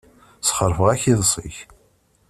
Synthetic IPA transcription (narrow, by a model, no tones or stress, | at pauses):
sχəɾˤfəʁæçiðˤsˤḭç